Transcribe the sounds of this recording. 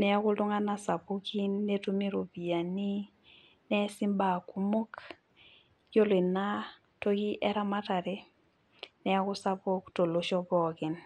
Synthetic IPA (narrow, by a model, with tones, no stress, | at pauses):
nɛ˨a˦kʊ˦ldʊ˦ŋa˦na˦sa˨bo˦ki˦nːe˦tu˦mi˦ɾo˨bi˨a˨nɪ˦ | nɛ˦sɪ˦mba˨ku˦mo˦k | jo˦le˨na˦ | to˦ɡi˦ʔɛ˦ɾa˦ma˦ta˨ɾe˦ | nɛ˨a˦kʊ˦sa˦bo˦kto˨lo˦ʃɔ˦bɔ˨kɪ˨n